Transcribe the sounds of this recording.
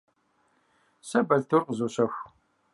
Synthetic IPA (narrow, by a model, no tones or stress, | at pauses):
sɐbɐɮt̪ʰʊrqzuɕɐxʷ